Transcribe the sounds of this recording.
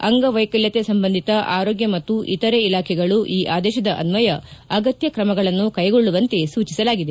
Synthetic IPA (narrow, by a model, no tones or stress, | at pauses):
ɐ̰ŋɡɐʋɐjkɐljɐt̪e̞sɐmbɐnd̪ʱit̪ɐʔaːɾoːɡjɐmɐt̪ːuʔit̪ɐɾeilaːkʰɛɡɐɭuʔiːʔaːd̪ɛːʃɐd̪ɐʔɐ̰nʋɐjɐɐɡɐt̪jɐkɾɐmɐɡɐɭɐnːukɐjɡo̞ɭːuʋɐnt̪e̞suːt͡ʃisɐlaːɡid̪e